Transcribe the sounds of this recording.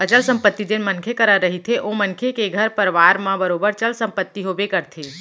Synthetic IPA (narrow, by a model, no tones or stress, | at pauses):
ət͡ʃəlsə̃mpət̪ːid͡ʒenmənkʰekəɾəɾːəɦit̪ʰeʔomənkʰekeɡʱəɾpəɾʋaɾmãbəɾoːbəɾt͡ʃəlsə̃mpət̪ːiɦobekəɾt̪ʰe